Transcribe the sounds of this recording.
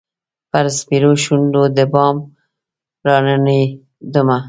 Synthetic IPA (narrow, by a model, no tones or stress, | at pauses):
paɾspiɾoʃuɳɖod̪əbɑm | ɾɑnəni | d̪əma